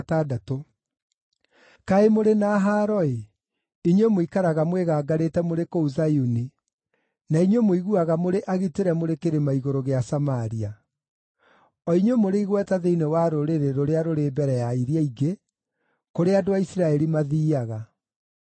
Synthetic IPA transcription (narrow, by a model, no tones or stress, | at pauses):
tadato | kaemoɾenaːɦaːɾɔe | iɲwemoikaɾaɣamweɣaːɡaɾetɛmoɾekouzajuni | naiɲwemoiɣuaɣamoɾeʔaɣiteɾɛmoɾekeɾemaiɣoɾoɣeasamaɾia | ɔiɲwemoɾeiɣwɛtaðeinewaɾoɾeɾeɾoɾeaɾoɾeːbɛɾɛjaiɾjaiɡe | koɾeadoaisiɾaɛɾimaðiːaɣa